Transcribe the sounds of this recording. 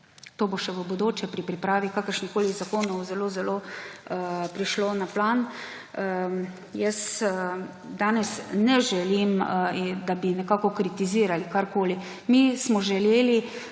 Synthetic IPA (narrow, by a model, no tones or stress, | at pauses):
t̪oːboʃɛʋəbod̪oːt͡ʃjɛpɾipɾipɾaːʋikaːkəɾʃnixkoːlizakoːnɔwzɛloːzɛloː | pɾiʃloːnaplan | jəst̪ | d̪aːnɛsnɛʒɛlimd̪abinɛkaːkɔkɾit̪iziːɾalikaɾkoːli | mismɔʒɛleːli